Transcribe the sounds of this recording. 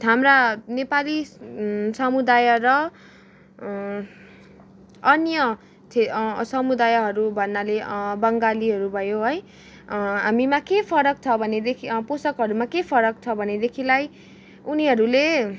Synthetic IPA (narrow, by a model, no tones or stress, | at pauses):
ɦamranepali | sʌmud̪ajʌrʌ | ʌnjʌ | t̪ʰesʌmud̪ajɦʌɾubʱʌnːalebʌŋɡaliɦʌɾubʱʌjoɦʌj | ɦamimakepʰʌɾʌk̚t͡sʰʌbʱʌned̪ekʰiposʌkɦʌɾumakepʰʌɾʌk̚t͡sʰʌbʱʌned̪ekʰilaj | uniɦʌɾule